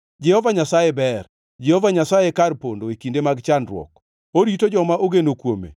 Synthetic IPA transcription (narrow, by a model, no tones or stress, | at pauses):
d͡ʒɛhɔvaɲasajebɛr | d͡ʒɛhɔvaɲasajekarpondoekindemaɡt͡ʃanɾwɔ̰k | oɾitod͡ʒɔmaʔoɡenokwomḛ